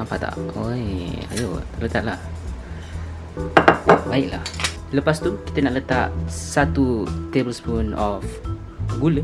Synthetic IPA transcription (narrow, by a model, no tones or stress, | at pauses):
ampat̪a̰ʔoa̰jo̰t̪ərlət̪aʔ̚lah | baiʔla̰h | ləpast̪uki̥t̪ənaʔlət̪aʔsat̪ut̪ebəlspunɔf | ɡulə